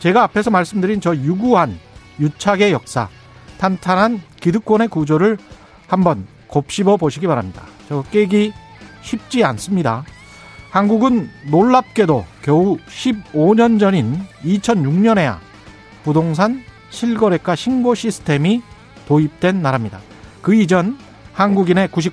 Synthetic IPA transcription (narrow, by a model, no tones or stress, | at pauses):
t͡ɕe̞ɡaːpʰe̞sʰʌmaɭs͈ɯmdɯɾint͡ɕʌjuɡuɦan | jut͡ɕʰaɡe̞jʌk̚s͈a̰ | tʰantʰanɦankidɯk͈wone̞kud͡ʑoɾɯɭ | hambʌn | kop̚ɕ͈ibʌboɕʰiɡipaɾamɲida̰t͡ɕʌk͈e̞ɡi | ɕʰip̚t͡ɕ͈ians͈ɯmɲida | hanɡuɡɯnːoɭːap̚k͈e̞dokjʌuɕʰib̚oɲʌnd͡ʑʌɲinit͡ɕʰʌnjuŋɲʌne̞ja̰ | pudoŋsʰan | ɕʰiɭɡʌɾe̞k͈aɕʰinboɕʰisʰɯ̥tʰe̞mi | toip̚t͈we̞nːaɾamɲida̰ | kɯid͡ʑʌn | hanɡuɡine̞kuɕ̬ʰi